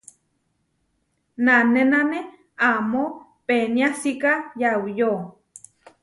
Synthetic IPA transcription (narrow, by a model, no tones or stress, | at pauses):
nanenane | amo | penjasikajawjo